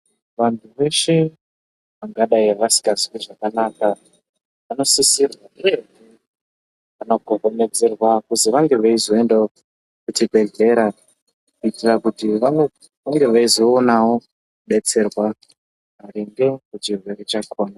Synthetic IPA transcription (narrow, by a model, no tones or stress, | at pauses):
ʋantʰuʋe̞ʃe̞ | ʋaŋɡaɗaiaʋasi̥kaziwiʐakanaka | ʋano̞sisirwaene | ʋano̞ɡʱoɦome̞d͡zerwakuziʋaŋɡe̞ʋaizo̞enda | kutibʱe̞ɮe̞ɾa | kuitirakutiʋano | ʋaŋɡe̞ʋaizo̞ːnao̞ | kuɓe̞t͡se̞rwa | ʋaɾiŋɡe̞kut͡ʃirwe̞rit͡ʃakʰoːna